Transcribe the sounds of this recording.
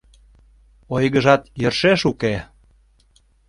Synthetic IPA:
ojɣəʒɑt̪jərʃeʃuke

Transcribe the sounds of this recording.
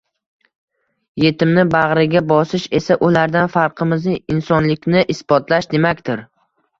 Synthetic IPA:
je̞t̪ɪmnɪbaʁɾɪɡʲabɒsɪʃe̞saʔʊlaɾd̪anfaɾqʰɨmɪznɪɪnsɒnlɪkʲnɪʔɪsbɒt̪ʰlaʃd̪e̞makʲt̪ɪɾ

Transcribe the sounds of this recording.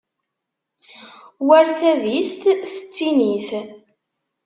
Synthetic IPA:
wæɾθæðist̪θə̥t͡sːiniθ

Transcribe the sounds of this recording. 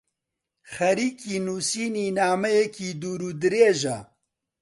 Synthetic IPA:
xɐɾiːkiːnuːsiːniːnaːmɐjekiːd̪uːɾuːd̪ɨɾeːʒɐ

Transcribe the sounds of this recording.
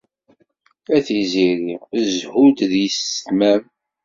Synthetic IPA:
æθiziɾiəzhud̪ðjəst̪mæm

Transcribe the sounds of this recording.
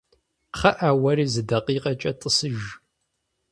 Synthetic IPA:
χɐʔaːwɐɾiːzɨdɐqiːqʼɐt͡ʃʼɐtʼəsɨʒ

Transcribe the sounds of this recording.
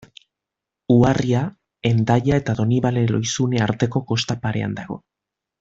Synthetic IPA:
uaria | e̞nd̪aʎae̞t̪aðo̞niβale̞lo̞jsuneaɾt̪e̞ko̞ko̞st̪apaɾe̞̰a̰nd̪aɣ̞o̞̰

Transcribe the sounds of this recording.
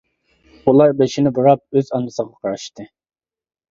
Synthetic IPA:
ulˠɑɾbeʃinɪbɨɾɑp̚øzɑnɨsəʁɑqʰɑɾɑʃt̪ɨ

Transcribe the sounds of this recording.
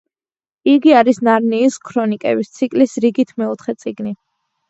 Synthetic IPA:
iɡiaɾisnaɾniːskʰɾɔnikʼɛ̰bist̪sʰikʼlisɾiɡit̪ʰmɛut̪ʰχɛt̪sʼiɡni

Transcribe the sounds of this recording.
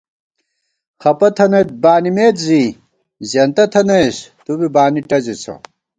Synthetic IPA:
xɐpɐt̪ʰɐnet̪̚baːnimeːt̪ziː | zɐnt̪ɐt̪ʰɐnɐjst̪ubibaːniʈɐzit͡sʰɐ̰

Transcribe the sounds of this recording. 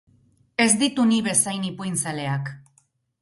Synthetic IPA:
e̞zd̪it̪uniβe̞sajnipujnt͡sale̞ak

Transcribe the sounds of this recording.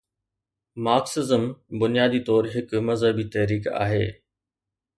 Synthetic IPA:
maːksɪzəmbʊnijaːd̪it̪ɔːɾɦɪkmɐzɦəbit̪ɐɦɾiːka̰ːɦḛː

